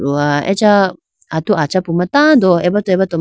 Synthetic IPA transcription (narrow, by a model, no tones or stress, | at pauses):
uaɛ̰t͡ʃa | at̪uʔat͡ʃapumat̪ãd̪ɔɛbat̪uɛbat̪ɔ